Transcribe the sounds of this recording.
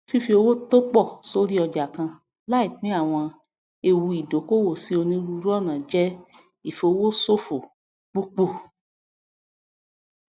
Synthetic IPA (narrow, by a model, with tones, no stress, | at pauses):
fi˦fi˧o˧wo˦to˦k͡pɔ˦˨so˧ɾi˦ɔ˧d͡ʒa˨kã˧ | la˦i˦˨k͡pĩ˨˦a˦˨w̃ɔ̃˧ | e˧wu˧i˨do˨˦ko˦wo˦˨si˨˦o˧nĩ˦ɾu˧˦ɾɔ˦˨nã˨d͡ʒɛ˦ | i˦˨fo˧wo˦so˦fo˨ | k͡pu˦k͡po˦˨